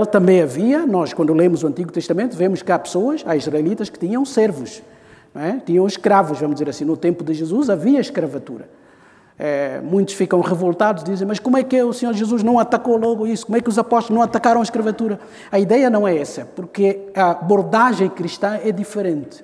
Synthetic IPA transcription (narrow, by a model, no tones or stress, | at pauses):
ɛlɐt̪ɐ̃mbẽj̃ɐviɐnɔʃkwɐ̃nd̪ulˠemuzuɐ̃nt̪iɣut̪ɨʃt̪ɐmẽnt̪uvemuʃkɨapɨ̥soɐʃaiʒʁɐjlˠit̪ɐʃkɨ̥t̪iɲɐ̃w̃sɛɾvuʃ | ñɛt̪iɲɐ̃w̃ʃkɾavuʃvɐmuʒd̪izeɾɐsĩnut̪ẽmpud̪ɨʒɨzuzɐviɐʃkɾɐvɐt̪ṵɾɐ̰ | ɛmũj̃t̪uʃfikɐ̃w̃ʁɨvolˠt̪aðuʒd̪izẽj̃mɐʃkomwɛkusɨɲoɾʒɨzuʒnɐ̃w̃ɐt̪ɐkolɔɣuisu̥komwɛkuzɐpɔʃt̪lˠʒnɐ̃w̃ɐt̪ɐkaɾɐw̃ɐʃkɾɐvɐt̪uɾɐ | ɐiðɛjɐnɐ̃w̃ɛɛsɐpuɾkɨɐboɾðaʒẽj̃kɾiʃt̪ɐ̃ɛd̪ifɨɾẽnt̪ɨ̥